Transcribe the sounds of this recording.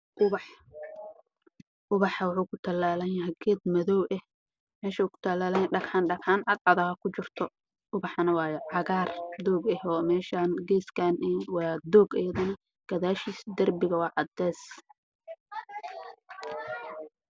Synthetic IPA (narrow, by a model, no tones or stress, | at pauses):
ʔʊβɑħ | ʔʊβɑħɐwɑħuːkʰʊt̪ʰɐlaːlɐnjɐɦɛɡɛːd̪mɐðɔwʔɛh | mɛːʃɐukʰʊ̥t̪ʰɐlaːlɐjɛɖɐkħaːnɖɐkħaːnʔɐd̪ʕɑðɐhɐkʰʊt͡ʃɪrt̪ʰɔ | ʔʊβɑħɑnɐwɑːjʕɑɣaːrd̪ɔːɡɛhɔːmɛːʃaːnɡɛːskʰaːnwɑːd̪ɔːɡɐjɐðɐnɐ | ɡ̥ɐðaːʃiːsd̪ɐrbɪɣɐwɑːʔɑd̪ɛːs